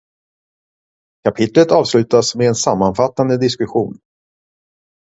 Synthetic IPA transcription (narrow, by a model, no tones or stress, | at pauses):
kʰapʰɪt̪lət̪ɑːvslʉ̟ːt̪asmɛɛnsamːanfat̪ːand̪əd̪ɪskɵɧuːn